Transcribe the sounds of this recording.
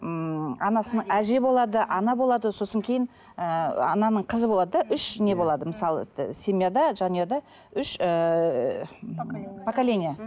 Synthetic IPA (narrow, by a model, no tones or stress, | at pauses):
ɑnɑsənəɴæʒe̞bo̞lˠɑd̪əʔɑnɑbo̞lˠɑd̪əso̞səŋkʲʰe̞jɪn | əɑ̰nɑnəɴqʰəzəbo̞lˠɑd̪əd̪ɑʔʏʃne̞bo̞lˠɑd̪əməsɑlˠəsʲe̞mʲijad̪ɑʒɑnijad̪ɑ | ʏʃə | pʰakalʲenija